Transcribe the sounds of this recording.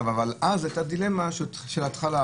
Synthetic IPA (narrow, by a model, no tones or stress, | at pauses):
vavalʔazajt̪ad̪ilemaʃ | ʃelat̪χala